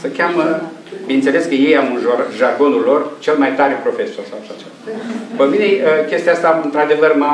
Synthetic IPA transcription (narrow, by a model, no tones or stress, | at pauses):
səkʲamə | binnse̞le̞skəje̞jamunʒoʒarɡo̞nulːo̞rt͡ʃe̞lmajt̪aɾepɾo̞fe̞so̞rsawaʃat͡ʃevapəmine̞əkʲe̞st̪iaast̪aɨnt̪ɾad̪e̞vərma